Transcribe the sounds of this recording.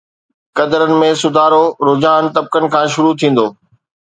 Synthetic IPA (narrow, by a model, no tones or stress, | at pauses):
kɐd̪əɾənɪ̆mẽsʊd̪ʱaːɾoɾoːd͡ʑaːnt̪ɐb̚kənɪ̆kʰãːʃʊɾut̪ʰĩːn̆d̪oː